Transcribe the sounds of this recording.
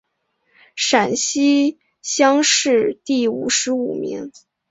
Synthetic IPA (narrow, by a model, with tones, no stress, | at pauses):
ʂa˨˩nɕi˥ | ɕjɑ˥ŋʂɻ̩˥˧t̪i˥˩ṵ˨˩ʂɻ̩˧˥u˨˩mḭ˧˥ŋ